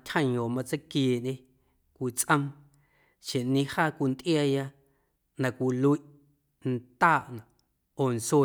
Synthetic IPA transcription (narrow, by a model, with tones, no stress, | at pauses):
tʲhə̃˦˧˨ɲõː˨mã˧t͡sə˦kjeː˨ʔɲʔẽ˦ | kʷi˨t͡sʼʔə̃˧m | ʃẽ˨ʔnĩ˧haː˦kʷi˧nt̪ʔjaː˧ja˧ | nã˨kʷi˧˨lu˧i˦ʔ | n̩˦t̪aː˦˨ʔnã˨ | oː˨n˨swe˧˨